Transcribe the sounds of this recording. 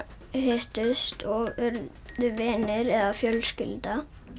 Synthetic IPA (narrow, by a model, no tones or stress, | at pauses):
heht̪ʏst̪ʰɔʏɾ | ðʏvɛːnɪɾɛðafjœlscɪlt̪a